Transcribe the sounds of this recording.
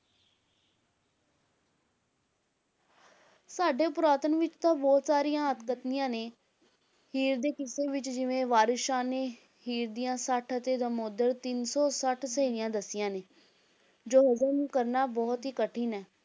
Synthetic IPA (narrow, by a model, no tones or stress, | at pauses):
saːɖeːpʊɾaːt̪ənʋɪt͡ʃt̪ãːbɔːt̪saːɾijãːət̪kət̪nɪjãːneː | hiːɾd̪eːkɪseːʋɪt͡ʃd͡ʒɪʋẽːʋaːɾɪʃaːneː | hiːɾd̪ijãːsəʈʰət̪eːd̪ãːmoːd̪əɾt̪ɪnsɔːsəʈʰsəiːnɪjãːd̪əsɪjãːneː | d͡ʒoːɦəzəɾmkəɾnaːbɔːt̪ɦiːkəʈʰːiːnɛː